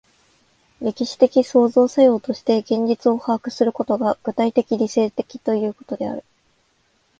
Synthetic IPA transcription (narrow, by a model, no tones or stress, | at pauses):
ɾʲe̞kʲiɕi̥t̪e̞kʲiso̞ːzo̞ːsajo̞ːt̪o̞ɕi̥t̪e̞ɡẽ̞ɲ̟d͡ʑit͡sɨo̞haːkɯ̟̥sɨɾɯ̟kot̪o̞ɡaɡ̥ɯ̟t̪ait̪e̞kʲiɾʲise̞ːt̪e̞kʲi̥t̪o̞jɯ̟ːko̞t̪o̞d̪e̞a̰ɾɯ̟